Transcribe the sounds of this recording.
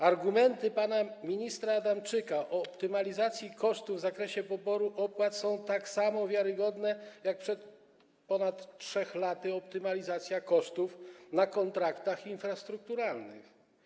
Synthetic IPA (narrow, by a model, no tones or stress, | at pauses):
aɾɡumɛnt̪ɘpanamʲiɲist̪ɾaːd̪amt͡ʂɘkaʔɔːpt̪ɘmalʲizat̪sʲjikɔʂt̪uvzakɾɛɕɛpɔbɔɾuʔɔpwat̪sɔ̃w̃t̪aksamɔvʲjaɾɘɡɔd̪nɛjak̚pʂɛt̪ | pɔnat̪ʂɛxlat̪ɘɔpt̪ɘmalʲizat̪sʲjakɔʂt̪ufnakɔnt̪ɾakt̪axinfɾast̪ɾuk̚t̪uɾalnɘ̰x